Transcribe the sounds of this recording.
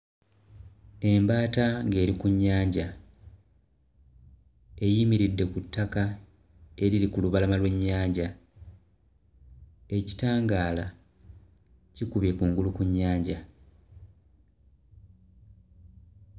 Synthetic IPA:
e̞mbaːtaŋɡe̞ːɾikuɲːaːɲɟa | e̞jimiɾidːe̞kutːaka | e̞ɾilikuluβalamalwe̞ɲːaːɲɟa | e̞ci̥taːŋɡaːla | cikuβje̞kuŋɡulukuɲːaːɲɟa

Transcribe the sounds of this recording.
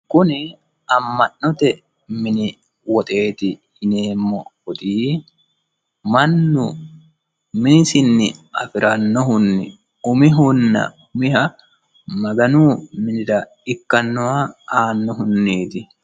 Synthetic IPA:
kʊnɪ | ɐmːɐnːɔt̪ɛ | mɪnɪ | wɔt̪ʼe̞ːt̪ɪhɪneːmːɔhʊt̪ʼiː | mɐnːʊ | mɪnɪsɪnːɪ̰ʔɐfɪɾɐnːɔɦʊnːɪ | ʊmɪɦʊnːɐ̰ | ʊmɪhɐ | mɐɡɐnuːmɪnɪd̪ɐ | ɪkːɐnːɔaaːnːɔɦʊnːiːt̪ɪ

